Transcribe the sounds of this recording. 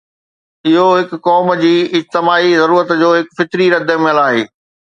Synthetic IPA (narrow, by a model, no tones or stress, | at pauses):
ɪɦoɦɪkkɔːmd͡ʑiːɪd͡ʑt̪ɪmaːizɐɾuːɾət̪d͡ʑoːɦɪkfɪt̪ɾiɾɐd̪ʱəmẽɐlaːɦḛː